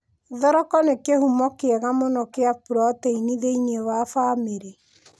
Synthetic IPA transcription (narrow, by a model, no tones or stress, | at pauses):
ðɔɾɔkɔnekehumɔkeɛɣamonɔkeapuɾɔtɛiniðeinewafaːmeɾe